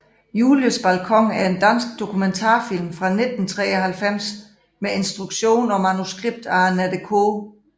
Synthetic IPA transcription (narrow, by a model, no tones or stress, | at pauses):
juːljosb̥ælkʰɒ̽ŋ̰æɐe̝nd̥æn̰sɡ̥̚d̥o̝kʰument͡sʰɑ̰̈ːfil̰mfʁɑ̈ne̝d̥n̩t͡sʰʁɛ̰ːɒhælfem̰s | mee̝nsd̥ʁuɡ̥ɕo̝̰ːnɒ̽mænusɡ̥ʁib̥̚d̥ɑ̈ːnæd̥əkʰo